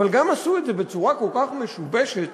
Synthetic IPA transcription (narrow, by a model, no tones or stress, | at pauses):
valɡamasuedzebe̞t͡suʁako̞lkaχmeʃubeʃet̪